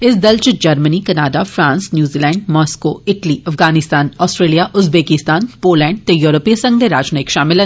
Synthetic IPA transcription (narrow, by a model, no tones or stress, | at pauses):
ɪsd̪ɐlt͡ʃd͡ʒɐɾmənikɐnaːdafɾãːnsnjuːziːlɛ̃ːɳɖmɔːskoːɪʈliɐfɡaːnɪst̪aːnɔːsʈɾeːlijaʔʊzbeːkɪst̪aːnpoːlɛ̃ːɳɖ̚t̪ejɔːɾopisɐ̃ŋɡ̚d̪eɾaːd͡ʒneːkʃaːmɪlɐ